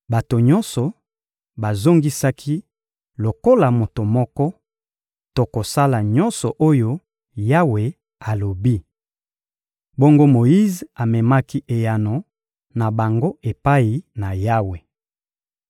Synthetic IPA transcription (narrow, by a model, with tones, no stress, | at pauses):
ba˨to˨ɲɔ̃˦nsɔ˨ | ba˨zo˦ŋɡi˦sa˦kʰi˦ | lo˨ko˦la˨mo˨to˨mɔ˦kɔ˦ | to˨ko˨sa˦la˨ɲɔ˦nsɔ˨ʔo˦jo˦ | ja˦we˨ | a˨lo˨bi˦ | bo˦ŋɡo˦mo˨ji˦za˨mɛ˨ma˦ki˦ʔe˨ja˨no˨ | na˨ba˨ŋɡo˦e˨pa˦i˨na˨ja˦we˨